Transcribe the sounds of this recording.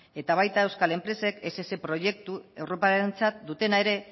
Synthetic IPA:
e̞t̪aβ̞ajt̪aewskale̞mpɾe̞se̞kesese̞pɾo̞je̞k̚t̪ue̞wɾo̞paɾent͡sat̪̚d̪ut̪e̞nae̞ɾe̞

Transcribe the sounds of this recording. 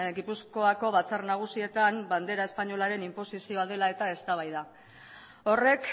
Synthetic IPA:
ɡipusko̞ako̞βat͡sarnaɣ̞usie̞t̪amband̪e̞ɾae̞spaɲo̞laɾe̞nimpo̞sisioað̞e̞lae̞t̪ae̞st̪aβ̞ajða | o̞re̞k

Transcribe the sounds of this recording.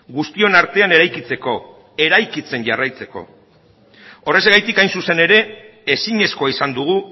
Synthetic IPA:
ɡust̪io̞naɾt̪e̞ane̞ɾajkit͡se̞ko̞ | e̞ɾajkit͡se̞nʝarajt͡se̞ko̞̰ | o̞re̞zɣajt̪ikajnsuse̞ne̞ɾe̞ː | siɲe̞sko̞aisand̪uɣ̞u

